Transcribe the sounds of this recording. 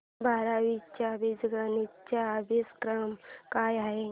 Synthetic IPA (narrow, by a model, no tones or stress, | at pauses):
bʱaɾaʋit͡ɕabid͡zɡənit͡ɕabeskɾəmkajaɦe